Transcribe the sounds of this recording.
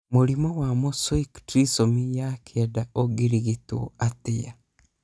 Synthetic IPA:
moɾimɔwamoswoiktɾisomijakʰɛdaoɡiɾiɣitṵatɪa

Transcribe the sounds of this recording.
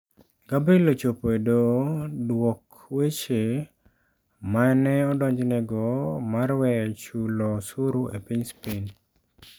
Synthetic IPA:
ɡabelot͡ʃopoedodwɔk | wet͡ʃe | manɛɔdɔɲd͡ʒnɛɡɔmaɾwɛt͡ʃulɔsuɾuʔḛpiɲspin

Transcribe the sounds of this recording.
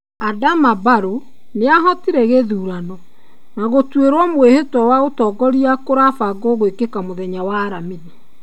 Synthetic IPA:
adamabaɾo | neaɦɔtiɾɛɣeðuːɾanɔ | naɣotweɾɔmwehetɔwaotɔɡɔɾiakoɾafaɡɔɣoekekamoðɛɲawaːɾamini

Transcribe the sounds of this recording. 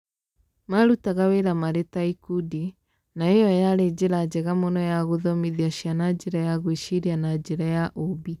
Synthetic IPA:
maɾutaɣaweɾamaɾetaikudi | naejɔjaɾed͡ʑeɾad͡ʑɛɣamonɔjaɣoðɔmiðiaɕianad͡ʒeɾajaɣweʃiɾianad͡ʒeɾajaʔobi

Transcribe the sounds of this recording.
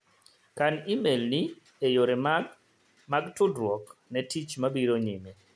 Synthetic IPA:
kanimelni | ɛjoɾɛ | maɡtʊdɾwɔknɛtʰit͡ʃmabiɾɔɲimɛ

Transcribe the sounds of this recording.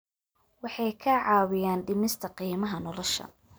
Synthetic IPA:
wɑħɑjkʰɐʕɑːwɪjaːnɖɪmɪst̪ʰɐqiːmɐɦɐnɔlɔʃɐ̰

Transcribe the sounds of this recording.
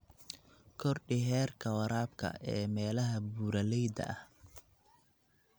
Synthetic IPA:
kʰɔrɖɪɦɛːrkʰɐwɐɾaːb̚kʰɐ̰ʔɛːmɛːlɐɦɐbuːɾɐlɛjd̪ɐ̰ʔɐ̰h

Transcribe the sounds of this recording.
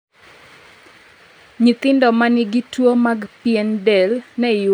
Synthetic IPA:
ɲit̪ɪndɔmanɪɡitwomaɡpɪɛndɛlnɛ

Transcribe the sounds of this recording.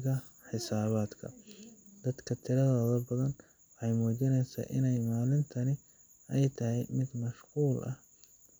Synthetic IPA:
ɣɐ | ħɪsaːβaːd̪kʰɐ̰d̪̥ɐd̪kʰɐt̪ʰɪɾɐðɔːðɐbɐðɐn | wɔħɑjmɔːt͡ʃɪnɛjsa̰ːʔɪnɛjmaːlɪnt̪ʰɐnɪ | ɛjt̪ʰɐɦɛjmɪd̪mɐʃquːlʔɐ̰h

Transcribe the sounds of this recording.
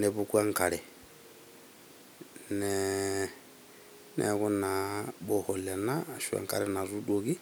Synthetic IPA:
neβukwaŋkale | ne | nḛkunaboholenaʃwa̰ŋka̰ɾenaɾudoɣi

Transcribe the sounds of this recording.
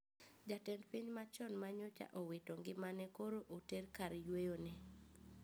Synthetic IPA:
d͡ʒatɛndpiɲmat͡ʃɔnmaɲʊt͡ʃa̰ʔɔwetoŋɡɪmanɛkoɾoʔoterkaɾjwejonɛ

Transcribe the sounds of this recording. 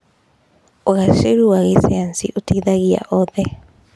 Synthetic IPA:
oɣaʃeɾuaɣeseansḭʔotʰiðaɣia̰ʔɔðɛ

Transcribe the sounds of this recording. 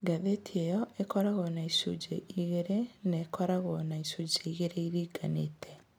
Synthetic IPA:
ɡaðetʰiejɔekɔɾaɣɔnaisṵd͡ʒḛiɣeɾeneːkɔɾaɣɔnaisud͡ʒeiɣeɾeiɾiːɡanetʰɛ

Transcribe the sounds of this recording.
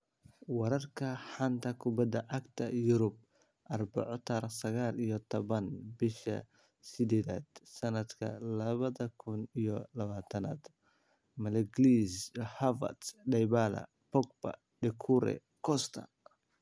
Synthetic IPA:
wɑɾɐrkʰɐħɐnt̪ʰɐkʰʊbɐd̪ɐʕɑɡt̪ʰɐjʊɾʊb̚ | ʔɐrbɐ̰ʕɔt̪ʰɐrsɐɣaːlijɔt̪ʰɔβɐnbɪʃɐ̰ | sɪd̪ɛːða̰ːd̪̥sɐnɐd̪kʰɐ̰lɐβɐðɐkʰʊnijɔlɐβaːt̪ʰɐna̰ːd̪ | mɐlɛɡlishavɐ̰t̪ɖɛjβaːlɐ̰ | pɔɡ̚bɐ̰ | ɖɛkʰuɾɛ̰ | kʰɔst̪ʰɐ̰

